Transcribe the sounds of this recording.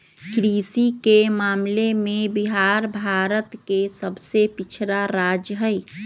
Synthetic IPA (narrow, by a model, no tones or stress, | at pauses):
kɾisikemaːmlemẽbiɦaɾbʱaːɾət̪kesəbʱsepit͡ʃʰɾaɾaːd͡ʒɦəj